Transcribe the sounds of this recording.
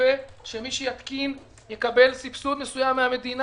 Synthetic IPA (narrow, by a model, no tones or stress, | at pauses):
eʃe̞miʃejat̪kin | je̞kabe̞lsipsud̪nesujamːeame̞d̪in